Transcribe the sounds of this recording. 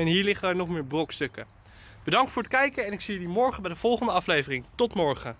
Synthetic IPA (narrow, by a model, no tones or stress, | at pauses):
ɛnɦiːɹlɪχənəɹnɔχmɪːɹbrɔkstɵkə | b̥ədɑŋktfʊːɹətkɛjkəɛnɪksijəlimɔɹχəbɛjdəv̥ɔlˠχəndəɑflejvərɪŋtɔtmɔɹχə